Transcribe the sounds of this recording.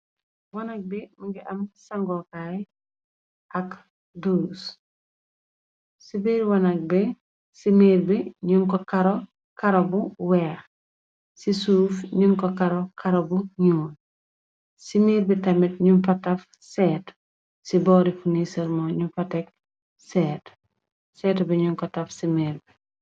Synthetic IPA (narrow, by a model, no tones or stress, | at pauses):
wɐnɐk̚bimiŋɡiʔɐmsaŋɡɔkaj | ɐk | dus | sibiɾwɐnak̚bɛ | simiːɾbiɲuŋkɔkaɾo | kaɾobuwɛːx | sisuːfɲuŋkɔkaɾɔkʰɐɾobuɲuːn | simiːɾbitɐmitɲunfɐtɐf | sɛːt | sibɔːɾifunisɐɾmɔɲufɐtɛk̚ | sɛːt | sɛːtbɛɲuŋkɔtɐfsimeɾbi